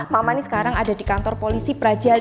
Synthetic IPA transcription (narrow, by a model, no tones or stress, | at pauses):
mamanisə̥kaɾaŋada̤dikant̪ɔrpolisipɾḁd͡ʒal